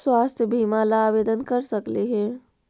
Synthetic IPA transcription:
swaːst̪ʰjəbʱiːmalaːʋeːd̪ənkɐɾsɐkliɦɛ̃ː

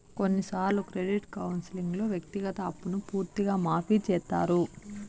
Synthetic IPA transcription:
ko̞nːisaːɾlukɾeɖiʈkɐwnsiliŋɡloːʋjɐk̚t̪iɡɐt̪ɐːpːunupuːɾt̪iɡaːmaːpiːt͡ʃɛːt̪ːa̰ːɾu

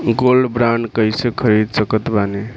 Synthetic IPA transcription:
ɡolbɾaɳɖkəjsekʰəɾid̪səkət̪bane

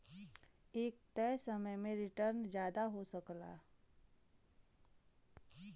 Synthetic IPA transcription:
eːk̚t̪ɛːsəməjmẽɾɪʈəɾnd͡ʒjaːd̪aɦosəkla̰ː

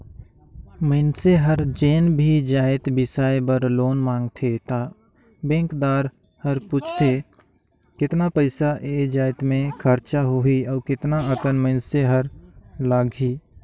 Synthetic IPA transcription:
məɪnseɦəɾd͡ʒeːnbʱid͡ʒaːɪt̪bɪsaːjebəɾloːnmãːŋɡt̪ʰet̪a | bẽːŋkd̪aːɾ | həɾpuːt͡ʃʰt̪ʰe | kɪt̪napəɪsaʔed͡ʒaːɪt̪mẽkʰəɾt͡ʃaɦoɦiɔːɾkɪt̪naəkənməɪnseɦəɾlaːɡɦiː

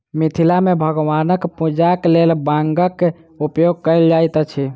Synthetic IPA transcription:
mit̪ʰilamebʱəɡʋanəkpud͡ʒaklelbãŋɡəkː | upjoɡ̚kəjld͡ʒajt̪ət͡ʃʰi

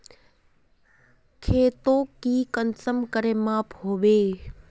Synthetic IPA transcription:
kʰeːt̪õːkiːkənsəmkəɾeːmaːpɦoːʋeː

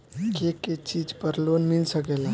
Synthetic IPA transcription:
keket͡ʃid͡ʒpəɾlonmilsəkela

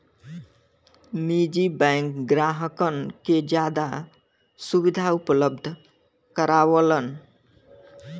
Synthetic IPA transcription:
mid͡ʒibɛ̃ŋkɡɾaɦəkənked͡ʒjad̪a | subid̪ʱaupələb̚d̪ʱ | kəɾaʋələn

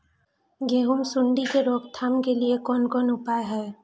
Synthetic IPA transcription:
ɡeːɦʊmsʊɳɖikeɾoːkt̪ʰaːmkeliekɔːnkɔːnʊpaːeɦɛː

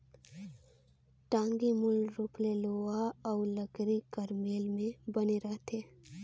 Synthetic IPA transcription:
ʈãːŋɡimʊlɾuːpleloːaɔːləɡɾikɐɾmeːlmẽbɐneɾəɦt̪ʰeː

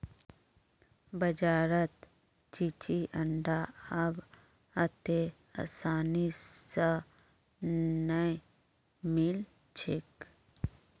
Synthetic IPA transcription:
bəd͡ʒaːɾət̪ | t͡ʃit͡ʃiʔəɳɖaɐb | ɐt̪e | a̰saːnisə | nəj | mil | t͡ʃʰɪk

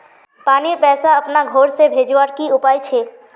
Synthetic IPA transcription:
paːniɾpɛːsaɐpnaɡʱoːɾsebʱeːd͡ʒʋaːɾkiʊpaːjt͡ʃʰeː

